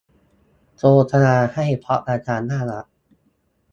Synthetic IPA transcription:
t͡ɕoː˧t̪ʰa˧naː˧ha˥˩jpʰɔ˦˥ʔɾaː˧t͡ɕaː˧nːaː˥˩la̰˨˩ʔ

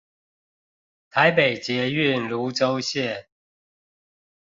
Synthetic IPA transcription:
t̪ʰa˨˦ɪpe˨˩ɪt͡ɕjɛ˨˦y˥˨nlu˨˦ʈ͡ʂo˦ʊɕjɛ˥˨

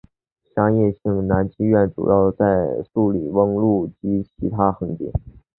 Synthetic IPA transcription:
ɕjɑ˥ŋjɛ˥˧ɕi˥˩ŋna˧˥nt͡ɕi˥ɥɛ˥˩nʈ͡ʂṵ˨˩jɑ˥˧ʊt͡sa˥˧ɪsu˥˩li˨˩wə˥ŋlu˥˩t͡ɕi˧˥t͡ɕʰi˧˥t̪ʰa˥xɤ˧˥ŋt̪ḭ˨˩˦n

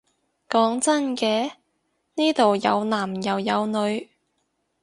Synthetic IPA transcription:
kɔː˨˧˥ŋt͡sɐ˥nkɛː˧ | niː˥t̪o˨wjɐ˨˧wnaː˨˩mjɐ˨wjɐ˨˧wnɵ˨˧ɥ

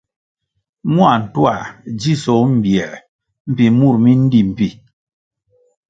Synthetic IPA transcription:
mwa˨n̩˨twa˨d͡ʒi˦sɔ˨˦m̩˨bjɛ˨ | m̩˦˨pi˨mu˦˨ɾmi˦n̩˦di˦m̩˨pi˨

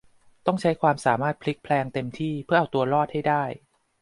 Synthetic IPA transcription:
t̪ɔ˥˩ŋt͡ɕʰa˦˥jkʰwaː˧msaː˩˦maː˥˩t̪̚pʰli˦˥k̚pʰlɛː˧ŋt̪e˧mt̪ʰiː˥˩pʰɯ˥ɐʔa˧wt̪u˧ɐlɔː˥˩t̪̚ha˥˩jdaː˥˩j

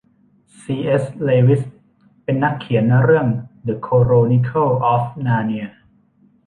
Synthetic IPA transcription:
siː˧ʔe˦˥sleː˧wi˦˥s | pe˧nːa˦˥kʰːi˩˦ənːa˧ɾɯ˥˩əŋdə˨˧˩kʰoː˧ɾoː˧ni˧kʰa˥˩ʔɔː˦˥fnaː˧ni˧˥ə

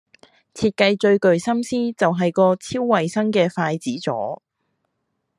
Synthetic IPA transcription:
t͡sʰiː˧t̚kɐ˧jt͡ʃɵ˧ɥkɵ˨ɥsɐ˥msiː˥t͡sɐ˨wɦɐ˨jkɔː˧t͡sʰiː˥wːɐ˨jsɐ˥ŋkɛː˧faː˧jt͡siː˨˥t͡sɔ̰ː˨˥

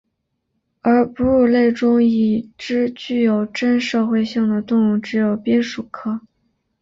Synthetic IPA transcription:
ə˞˧˥pu˧˥u˥˩le˥˩ɪʈ͡ʂʊ˥ŋi˨˩ʈ͡ʂɻ̩˥t͡ɕy˥˩jo˨˩ʊʈ͡ʂə˥nʂɤ˥˧xwe˥˧ɪɕi˥˩ŋd̪ə˩t̪ʊ˥˧ŋu˥˩ŋʈ͡ʂɻ̩˧˥jo˨˩ʊpjɛ˥nʂu˨˩kʰɤ˥

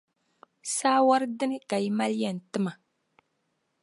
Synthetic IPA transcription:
saː˦wa˦ɾdɨ˦nɨ˦ka˨ji˦ma˦lɛ˨n˨tɨ˦ma˨

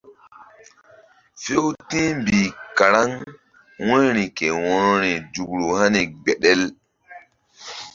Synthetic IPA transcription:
fe˦wtĩ˦mbi˨ka˨ɾa˦ŋ | wɔ̃˦ɾi˨ke˨wɔ̃˨˦n˦ɾi˨d͡ʒu˨ɡɾu˨ha˦ne˨ɡ͡be˨ɗɛ˦l

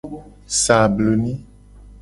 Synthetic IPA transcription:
sã˨blo˨nĩ˦

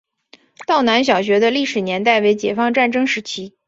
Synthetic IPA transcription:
t̪ɑ˥˩ʊna˧˥nɕ̬jɑ˨˩ʊɕ̬ɥɛ˧˥d̪ə˧li˥˩ʂɻ̩˨˩njɛ˧˥nt̪a˥˩ɪwe˧˥ɪt͡ɕjɛ˨˩fɑ˥˧ŋʈ͡ʂa˥˩nʈ͡ʂɤ˥ŋʂɻ̩˧˥t͡ɕʰi˥

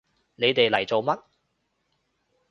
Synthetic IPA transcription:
ne˨˧jt̪e˨jlɐ˨˩jt͡so˨wmɐ˥t̚

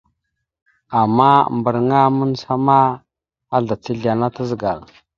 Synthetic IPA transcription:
a˨mːa˦˨mbə˨ɾŋa˦mu˦nsa˦ma˦ | a˦ɮa˨t͡si˦ɮi˨a˨na˦tə˦zɡa˨l

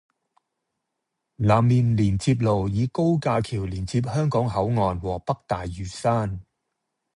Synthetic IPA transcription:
laː˨˩mmiː˨nliː˨˩nt͡siː˧p̬̚lo˨˩wjiː˨˧ko˥wkaː˧kʰiː˨˩wliː˨˩nt͡siː˧p̬̚hœː˥ŋkɔː˨˥ŋhɐ˨˥wŋɔː˨˧nwɔː˨˩pɐ˥k̚t̪aː˨jːyː˨˩saː˥n

